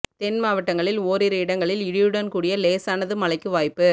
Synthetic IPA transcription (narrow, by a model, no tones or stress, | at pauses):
t̪ɛnmaːʋɐʈːɐŋɡɐɭɪloːɾɪɾɐɪɽɐŋɡɐɭɪlɪɻɪjɯɽɐnkuːɽɪjɐleːsaːnɐðɯmɐlɐɪkːɯʋaːjpːɯ